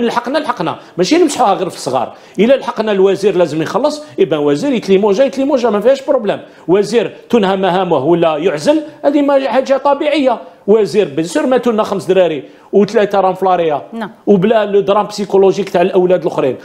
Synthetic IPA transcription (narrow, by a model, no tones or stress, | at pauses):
nəlħɑqːnælħɑqːnæ̰ | mæʃinəmsħuhæɣiɾfə̥sˤɣɑ̰ɾˤ | ʔəlːælħɑqːnælwæziɾlæzəmjxɑlːəsˤʔəbænwæziɾjət̪limuʒæjət̪limuʒæmæfihæʃbɾoblæm | wæziɾt̪unhæmæhæməhwəlːæjʊʕzəlhæd̪imæħad̪ʒæt̪ˤɑbiʕəjːa | wæziɾbənsuɾmæt̪unːæxəmsd̪ɾæɾi | wt̪læt̪ɾˤɑmflɑɾˤijawblæləd̪ɾˤɑmpsikoloʒikt̪aʕlʔəwlæd̪lxɾin